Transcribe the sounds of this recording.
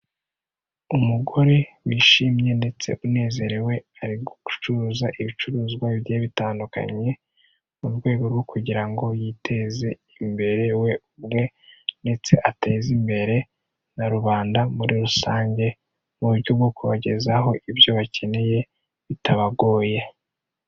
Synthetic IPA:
umuɡo̞ɾe̞wiːʃimje̞nde̞t͡se̞̰ʔune̞ːze̞ɾewe̞aɾiɾɡoku̥t͡ʃuɾuːzaʔiβit͡ʃuɾuːzɡwaiβjeːβitaːnduka̰ɲe̞ | muɾɡwe̞ːɡo̞ɾɡokʰuɟiɾaŋɡo̞jiːtʰe̞ze̞ | imbe̞ɾe̞we̞uβ̚ɡwe̞ | nde̞t͡se̞ʔate̞zimbe̞ɾe̞ | naɾuβaːndamuɾiɾusaːɲɟe̞ | muβuɾɟo̞b̚ɡo̞kuβaɟe̞zaho̞ʔibjo̞βacʰe̞ne̞je̞ | βitaβaɡo̞ːje̞

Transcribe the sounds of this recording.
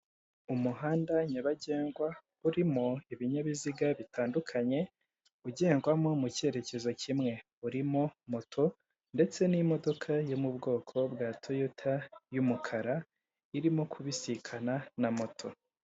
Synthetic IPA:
umuɦaːndaɲaβaɟe̞ːŋɡwa | uɾimoiβiɲaβiziɡaβitaːndukʰaɲe̞ | uɟe̞ːŋɡwamo̞muce̞ɾe̞ce̞zo̞cʰimŋe̞ | uɾimo̞mo̞tʰo̞ | nde̞t͡se̞nimo̞do̞kʰajomubɡo̞ːkʰo̞bɡaːtʰojotʰajumukʰaɾa | iɾimokʰuβisikʰananamo̞tʰo̞

